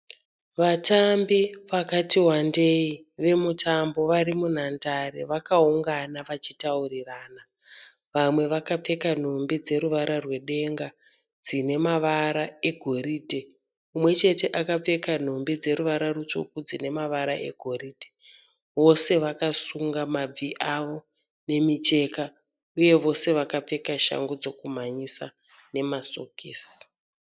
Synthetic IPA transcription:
ʋatambiʋakatiwande̞i | ʋe̞mutʰambo̞ʋaɾimun̤andaɾḛʋakauŋɡanaʋat͡ʃitauriraːna | ʋamwe̞ʋakap͡fe̞kan̤ombid͡ze̞ɾuʋaɾarwe̞ɗe̞ŋɡa | d͡zine̞maʋaɾae̞ɡʱo̞ɾiːte | umwe̞t͡ʃe̞te̞ʔakap͡fe̞kan̤o̞mbed͡ze̞ɾuʋaɾarut͡ʃo̰kud͡zine̞maʋaɾaʔe̞̰ɡʱo̞ɾiːte̥ | ʋo̞se̞ʋakasuŋɡamab͡viʔaʋo̞ | ne̞mit͡ʃe̞ka | uje̞ʋo̞se̞ʋakap͡fe̞kaʃa̰ŋɡod͡zo̞kum̤aɲisa | ne̞masokiːs

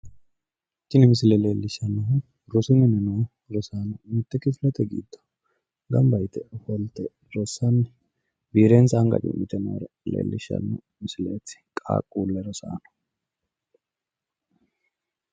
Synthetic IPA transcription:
t͡ʃːɪnɛmɪsɪlɛleːlːɪʃːɐnːɐɦʊ | ɾɔsɪnɛnɛnɔː | ɾɔsaːnɔmɪt̪ːɛkɪflɐt̪ɛɡḭːd̪ːɔ̥ | ɡɐmbɐjt̪ɛhɔlt̪ɛ | ɾɔsɐnːɛ | biːɾe̞ːnsɐɐŋɡɐ̰d̪ɪ̰mɪt̪ɛnɐ̰ɾɐ | lḛːlːɪʃːɐ̰nːɔ | mɪsɪleːt͡sːɪ̥kʼa̰ːkʼːuːlːɛɾɔsa̰ːnɔ̥

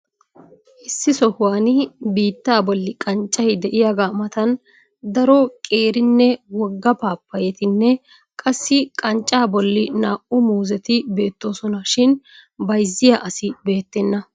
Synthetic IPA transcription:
ʔɪsːɪsɔhʊwaːnɪbiːt̪ːaːbɔlːɪkʼɐnt͡ʃʼːɐjɪd̪ɛʔɪjaːɡaːmɐt̪ɐn | d̪ɐɾɔkʼe̞ːɾɪnːɛwɔɡːɐpaːpːɐjɛt̪ɪnːɛ | kʼɐsːɪkʼɐnt͡ʃʼːaːbɔlːɪnaːʔʊmuːzɛt̪ɪbe̞ːt̪ːo̞ːsɔnɐʃɪnbɐjzːɪjaʔɐsɪbe̞ːt̪ːɛnːɐ

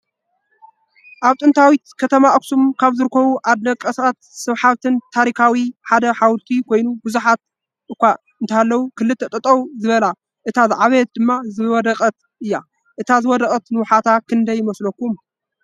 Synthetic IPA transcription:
ʔaβt̪ʼɨnt̪ʰawit̪kʰɐt̪ʰɐmaʔɐksumkʰaβzɨɾɨkʰːɐβuʔad̪nɐkʼːɐsat̪sɨβħaβt̪ʰɨnt̪ʰaɾikʰawiħad̪ɐħawlt̪ʰikʰo̞jnubɨzuħat̪̚ | ɨkʷːa | ɨnt̪ʰaalːɐwukʰɨlːɨt̪ʰːɐt̪ʼɨt̪ʼɐwzɨβɐla | ʔɨt̪ʰazɨʕaβet̪̚d̪ɨmːazɨwɔd̪ɐkʼɐt̪ | ʔɨjːa | ʔɨt̪ʰazɨwɔd̪ɐkʼɐt̪nɨwʊħat̪ʰakʰɨnd̪ɐjːɪmɐslɐkːum

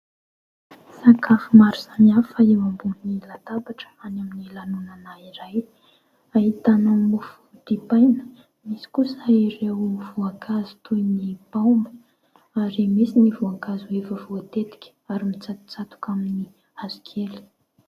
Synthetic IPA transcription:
sakafumaɾusanafaewambunilat̪abaʈ͡ʂə̥anaminilanunanaiɾaj | aɦit̪anamːufu̥d̪̥ipajnə̥ | misi̥kusəiɾewv̥uaŋkʰazu̥t̪ʰujnipaumbə | aɾemisinivuaŋkazuevavuat̪et̪i̥kʲə̥aɾimit͡sat̪u̥t͡sat̪u̥kamini | azu̥kʰeli̥

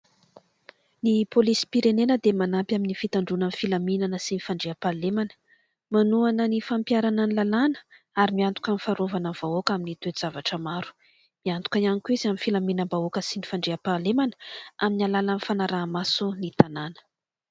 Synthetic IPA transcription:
nipolisi̥piɾenenəd̪emanapjaminifit̪aɳɖ͡ʐunanfilaminanəsinifaɳɖ͡ʐeapalemanə̥ | manuanənifampjaɾanənlalanə̥ | aɾimiant̪u̥kʲanifaɾovanəv̥aokaminit̪wez̥avaʈ͡ʂəmaɾu̥ | miant̪ukananikʲuizaminfilaminəmbaokəsinifaɳɖ͡ʐeapalemanə̥aminalalanfanaɾaːmasunit̪ananə̥

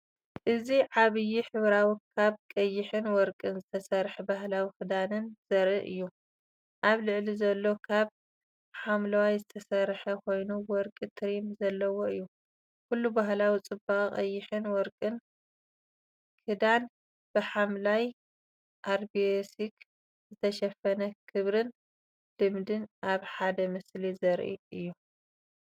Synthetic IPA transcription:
ʔɨziʕaβɨjːiħɨβɾawikʰaβkʼɐjːɪħɨnwɔɾkʼɨnzɨt̪ʰɐsɐɾħɨbaɦlawikɨd̪anɨnz̥ɐɾɨʔɨ̰jːu | ʔaβlɨʕlizɐlːo̞kʰaβ | ħamlɐwajzɨt̪ʰɐsɐrħɐkʰo̞jnuwɔɾkʼɨt̪ʰɨɾimzɐlːɐwoɨjːu | kulːubaɦlawit͡sʼɨbaχʼiχʼɐjːɪħɨnwɔɾkʼɨn | kʰɨd̪an | b̥ɨħamlaj | ʔaɾbiesik | zɨt̪ʰɐʃɐfɐnɐkʰɨβɾɨn | d̪̥ɨmd̪ɨnʔaβħad̪ɐmɨslizɐɾʔḭɨjːu

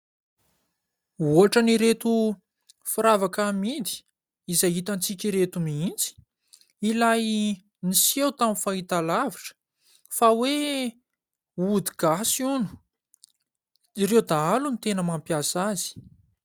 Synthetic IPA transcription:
uɦaʈ͡ʂaniɾet̪u | fiɾavakamid̪i̥ | izajɦit̪ant͡sikʲiɾet̪umiint͡si̥ | ilaj | nisewt̪amifait̪alaviʈ͡ʂə̥ | fawe | ud̪iɡ̥asunu̥ | ɾewd̪aalunit̪enəmampjasazi̥

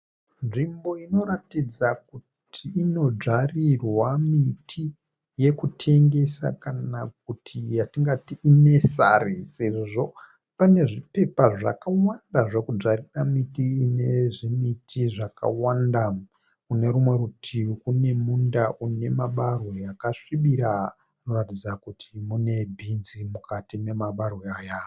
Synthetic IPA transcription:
nʐimbo̞ino̞ɾatid͡zak̚u | tʰiːno̞d͡ʐarirwamitʰi | je̞kutʰe̞ŋɡe̞sa̰kanak̚utʰijatiŋɡatiʔine̞sa̰riseʐʐo̞ | pane̞ʐipe̞paʐa̰kawandaʐe̞kud͡zariramitiːne̞ʐimitʰiʐaka̰wanda | une̞ɾumwe̞ɾutʰiukune̞mundaʔune̞maɓarwejakaʂiɓiɾa | no̞ratid͡zakutʰimune̞bʱinzimukatine̞maɓarweaːja

